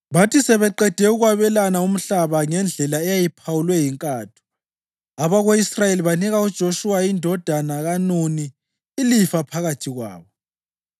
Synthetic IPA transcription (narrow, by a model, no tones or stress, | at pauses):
βatʰisɛβɛǃɛd̥ʱɛuɣwaβɛlanaum̩ɬaβaŋɛnd͡ɮʱɛlaɛjajipʰawulwɛjiŋkʼaːtʰu̥ | aβaɣoisrajeliβaniɣaud̥ʒ̥ʱoʃuwaindʱɔd̥ʱanaɣanuniː | lifapʰaɣatʰiɣwa̰ːβɔ